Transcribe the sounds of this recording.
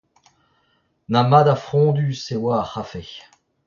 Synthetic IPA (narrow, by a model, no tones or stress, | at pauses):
namad̪afχɔ̃d̪ysewaːχafe